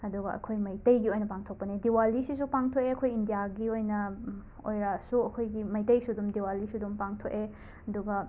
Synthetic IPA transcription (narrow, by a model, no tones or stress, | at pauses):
ɐduɡɐʔɐ̰kʰojmɐjtɐjɡiojnɐpaŋtʰok̚pɐnidiwalisisupaŋtʰokeɐkʰojindijaɡiojnɐ | o̰jɾasuɐkʰojɡimɐjtɐjsudumdiwalisudumpaŋtʰoke | ɐduɡɐ